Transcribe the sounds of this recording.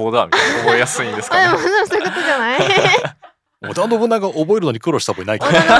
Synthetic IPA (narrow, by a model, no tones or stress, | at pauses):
oːd̪a̰mʲobjasɨĩnd̪esɨkad̪emod̪emosoji̟kot̪od͡ʑanai | mod̪ãnd̪obɯ̟nːaɡaʔobo̞eɾɯnoɲ̟ʲikɯɾoɕi̥t̪aboinaik